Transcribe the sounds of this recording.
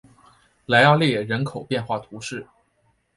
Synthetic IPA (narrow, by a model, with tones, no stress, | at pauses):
la˧˥ɪjɑ˥˧ʊljɛ˥˩jɛ˨˩ɻə˧˥nkʰo˨˩ʊpjɛ˥˧nxwa˥˩t̪ʰu˧˥ʂɻ̩˥˩